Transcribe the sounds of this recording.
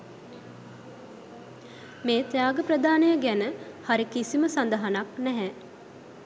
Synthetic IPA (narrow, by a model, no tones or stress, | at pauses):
meːt̪jaːɡəprəd̪aːnəjəɡænəhaɾikisiməsand̪əɦanaknɛɦɛ